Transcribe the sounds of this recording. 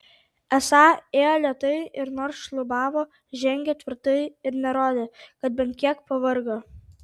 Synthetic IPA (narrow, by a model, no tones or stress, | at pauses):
ɛsɑːeːjoːlʲit̪ɐɪʔɪɾnoːɾsʃlˠʊbɑːʋoː | ʒʲɛŋʲɡʲɛt̪ʲʋʲɪɾt̪ɐɪɪɾnʲɛɾoːd̪ʲeːkɐt̪̚bʲɛnt̪̚ʲkʲiɛkpɐʋɐɾɡoː